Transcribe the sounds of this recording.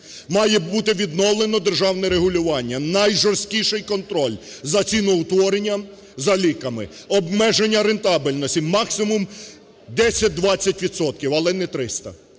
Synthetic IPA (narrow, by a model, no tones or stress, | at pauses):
mɑjɛbut̪ɪʋʲid̪nɔwlˠenɔd̪erʒɑwnɛɾeɦʊlʲʊʋɑnʲːɐnɐjʒɔrsʲt̪ʲkʲiʃɪjkɔnt̪ɾɔlʲ | zɐt͡sʲinʊʊt̪ʋɔɾenʲːɐ | zɐlʲikɐmɪ | ɔbmɛʒenʲːɐɾent̪ɑbɪlʲnɔsʲimɑksɪmʊm | d̪ɛsʲɐt̚ʲd̪ʋɑt͡sʲːɐtʲʋʲid̪sɔt̪̚kʲiwɐlˠɛnɛt̪ɾɪst̪ɐ̰